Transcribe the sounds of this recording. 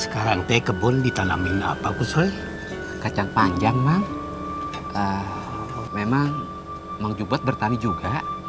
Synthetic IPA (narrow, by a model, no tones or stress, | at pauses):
sə̥kaɾaŋt̪ɛkəbɔndit̪ana̰mina̰pakusɔj | kat͡ʃaŋpaɲd͡ʒaŋmaŋ | ʔə | memaŋ | maŋd͡ʒubət̪̚bərt̪anid͡ʒuɡa